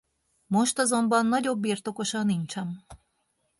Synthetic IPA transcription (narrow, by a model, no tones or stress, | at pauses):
moʃt̪ɒzo̞mbɒnːɒɟo̞bːirt̪o̞ko̞ʃɒnːint͡ʃɛm